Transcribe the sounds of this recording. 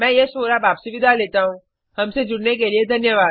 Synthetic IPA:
mɛ̃ːjesoːɾabaːpsʊʋɪd̪ʱaleːt̪aɦũː | ɦɐmsed͡ʒʊɽnekelied̪ʱɐnjəʋaːd̪

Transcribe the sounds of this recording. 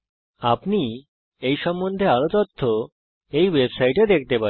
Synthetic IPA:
apɳi | ejʃɔmːond̪ʱealot̪ɔt̪ʰːo | ejʋebsaiʈed̪ek̚ʰt̪epa

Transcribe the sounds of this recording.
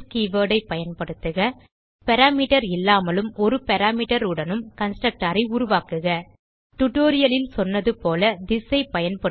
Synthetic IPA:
kiːʋɐːɽɐɪpːɐjɐnpɐɽɯt̪ːɯɣɐ | pɛɾaːmiːʈɐɾɪlːaːmɐlɯmɔɾɯpɛɾaːmiːʈɐɾɯɽɐnɯmkɐnsʈɾɐk̚ʈaːɾɐɪʊɾʊʋaːkɯɣɐ | ʈʊʈoːɾɪjɐlɪlsɔnːɐðɯpoːlɐd̪ɪsɐɪpɐjɐnpɐ

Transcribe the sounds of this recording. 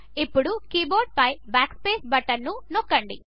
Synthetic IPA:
ipːuɽukiːboːɾɖ̚pɐjbaːkspeːsbɐʈɐnːunokːɐɳɖi

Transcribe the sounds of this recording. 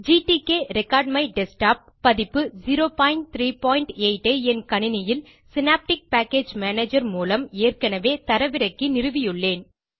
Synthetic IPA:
d͡ʒiːʈikeːɾɛkːaːɖ̚mɐɪɖɛsʈaːp̚ːɐðɪpːɯziɾoːpaːjɪɳʈt̪ɾiːpoːɪɳʈeːɪʈːeɛnkɐɳɪnɐjɪl | sɪnaːp̚ʈɪk̚paːkeːd͡ʒmaːneːd͡ʒɐɾmuːlɐmeːrkɐnɐʋeːt̪ɐɾɐʋɪɾɐkːinɪrɯʋɪjɯɭːeːn

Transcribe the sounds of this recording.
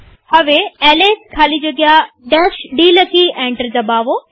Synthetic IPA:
hɐʋeɛːleːskʰaːlid͡ʑoɡɪa | d̪ɛːʃɖiːlɐkiʔɛ̃ːɳʈəɾd͡ʑaːbaːʋoː

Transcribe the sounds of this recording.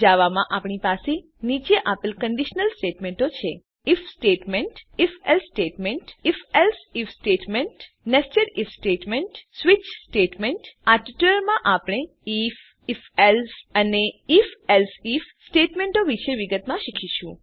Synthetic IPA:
d͡ʒaʋamãʔapɳipase | nit͡ʃeʔapəlkəɳɖiʃnəlsʈeʈmeɳʈot͡ʃʰe | ifsʈeʈmeɳʈifelsʈeʈmeɳʈifelsifsʈeʈmeɳʈ | nekt͡ʃəɾifsʈeʈmeɳʈsʋit͡ʃsʈeʈmeɳʈaɾʈiʈuləɾmãʔapɽ̃e | if | felsəneifelsifsʈeʈmẽɳʈoʋiʃeʋiɡət̪mãʃikʰiʃũ

